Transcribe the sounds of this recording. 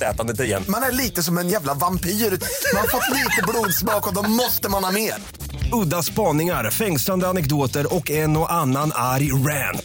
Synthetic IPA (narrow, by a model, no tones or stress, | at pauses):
ɛ̰ːt̪and̪ət̪̬ɪɾjɛ̰nmanæɭiːt̪əsɔmɛnjæːvlavampiːɾʉːmanhaɾfɔt̪ːliːt̪əbluːd̪smɑːkɔd̪ɔmɔst̪əmanhɑmeːɾ | ɵd̪ːaspɑːnɪŋaɾfɛŋsland̪əanɛkd̪oːt̪əɾɔkɛnɔʔanːanaɾjɾænt̪